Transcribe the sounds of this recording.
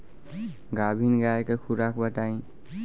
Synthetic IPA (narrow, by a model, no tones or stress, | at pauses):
ɡabʱinɡaekekʰuɾakbəʈaĩ